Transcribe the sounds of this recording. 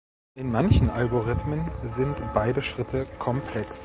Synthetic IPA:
ʔɪnmançn̩ʔalɡoʁɪtmənzɪntb̥aɪdəʃʁ̥ɪtʰəkʰɔmpʰl̥ɛks

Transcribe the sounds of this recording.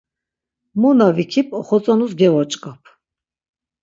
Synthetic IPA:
munavikʰipʼɔχɔt͡sʼanusɡɛvɔt͡ʃʼkʼapʰ

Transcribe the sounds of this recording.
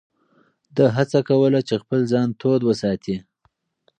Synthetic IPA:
d̪əɦat͡sakawəlat͡ʃexpəlzɑnt̪od̪wəsɑt̪i

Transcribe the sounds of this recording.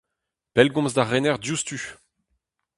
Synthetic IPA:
pɛlɡɔ̃mzd̪aʁɛnɛʁdjust̪y

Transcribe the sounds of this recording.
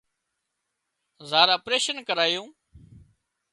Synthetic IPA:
zaːɾəpɾeːʃənkəɾaːjõː

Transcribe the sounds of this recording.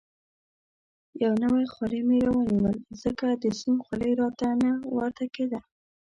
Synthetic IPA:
jawnəwajxwaləjmeɾawəniwəlzəkad̪əsunxwaləjɾɑt̪anawaɾt̪aked̪a

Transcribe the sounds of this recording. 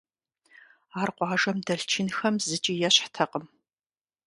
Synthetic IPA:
aːrqʷɑːʒɐmdɐɬt͡ʃʰɪnxɐmzɨt͡ʃʼijɛɕħtʰɐqəm

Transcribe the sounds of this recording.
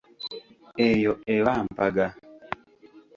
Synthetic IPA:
ɛjɔɛwam̩paɡa

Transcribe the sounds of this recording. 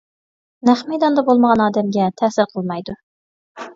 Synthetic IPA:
næχmɛjd̪ɑnd̪ɑbolˠməʁɑnɑːd̪ɛmɡʲɛt̪ʰæːsəɾqʰəlˠmɑjd̪u

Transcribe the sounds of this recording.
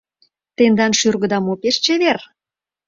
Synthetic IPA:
t̪end̪ɑnʃyrɣə̆d̪ɑmopeʃt͡ɕeβer

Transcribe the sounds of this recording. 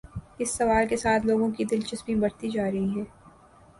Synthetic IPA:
ɪsːɐʋaːlkesaːt̪ʰloːɡõkid̪ɪlt͡ʃɐsmĩbɐɽt̪id͡ʒaːɾɐɦiɦɛ̃ː

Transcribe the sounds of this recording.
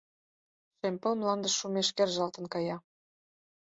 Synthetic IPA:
ʃemʲpə̆lmlɑnd̪ə̆ʃːumeʃkerʒɑlt̪ə̆nkɑjɑ

